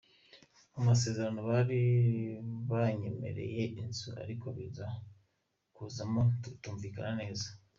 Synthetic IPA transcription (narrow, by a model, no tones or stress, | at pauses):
amas̬e̞ːzeɾano̞βaɾi | βaɲe̞me̞̰ɾe̞̰je̞ʔinzuʔa̰ɾiko̞βiza | kuːzamotuːɱviːkanane̞ːza